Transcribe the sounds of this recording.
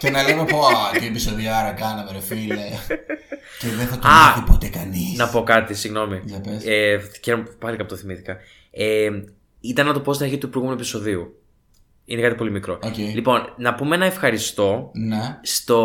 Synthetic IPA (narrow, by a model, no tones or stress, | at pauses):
cenɐlemepoɐiepisoðiɐɾɐkɐnɐmeɾofile | ceðeθɐɐθipot̪ekɐnisnɐpo̞kɐt̪isiɣno̞mijɐpeseçeɾompɐlikɐpt̪oθimiθi̥kɐ | e | it̪ɐnːɐt̪o̞po̞st̪inɐɾçit̪upɾojɣumenuepiso̞ðiu | inekɐt̪ipo̞limikɾo̞ocelipo̞nnɐpumeenɐefxɐɾist̪o̞nest̪o̞